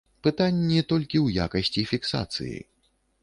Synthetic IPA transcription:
pɨt̪anʲːit̪ɔlʲkʲiwja̰kɐsʲt͡sʲifʲiksa̰t̪sɨ̰jḭ

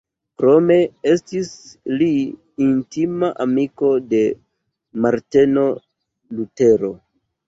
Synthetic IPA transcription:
kɾo̞me̞e̞stisliː | ntimaʔamiko̞de̞ | maɾteno̞ | lute̞ɾo̞

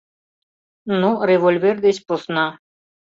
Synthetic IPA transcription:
nõɾeʋolʲʋeɾd̪esposna

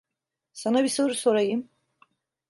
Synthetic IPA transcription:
sanabiso̞ɾuso̞ɾajɯm

